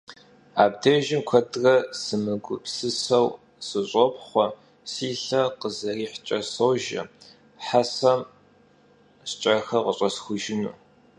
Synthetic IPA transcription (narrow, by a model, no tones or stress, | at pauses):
aːb̚dɐʒɪmkʷʰɐdrɐsɨmɨɡʷʊ̰psɨsɐw | sɨɕʷʼɔpχʷɔ | siːɬɐqəzɐriːħt͡ʃʼɐsɐwʒɐ̰ | ħasɐm | ɕt͡ʃʼɐxɐʁəɕʼɐsxʷʊʒɪnṵː